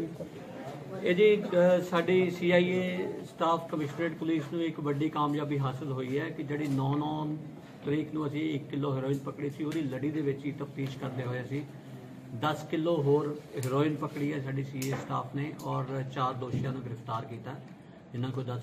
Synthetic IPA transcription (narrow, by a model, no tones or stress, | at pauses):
eːd͡ʒiːsaːɖiːsiːaːiːeːsʈaːpʰkəmɪʃneːʈpʊliːsnũːɪkʋəɖiːkaːmjaːbiːɦaːsɪlɦoːiːɛːkɪd͡ʒeːɽiːnɔːnɔːn | t̪əɾiːknũːəsĩːɪkːɪlːoːɦɪɾoːɪnpəkɽiːsiːoːd̪iːləɽiːd̪eːʋɪt͡ʃit̪əp̚t̪iːʃkəɾd̪eːɦoːjaːsiː | d̪əskɪlːoːɦoːɾɦɪɾoːɪnpəkɽiːɛːsaːɖiːsiːeːsʈa̰ːpʰneːʔɔːɾt͡ʃaːɾd̪oːʃɪjãːnũːɡɪɾəpt̪aːɾkiːt̪aɛ | d͡ʒɪnːaːkoid̪əs